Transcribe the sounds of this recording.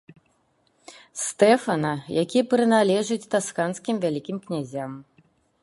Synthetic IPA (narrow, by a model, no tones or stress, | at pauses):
st̪ɛfɐnɐjakʲijɐpɾɨnalʲɛʐɨt͡sʲt̪askanskʲimvʲalʲikʲimknʲazʲam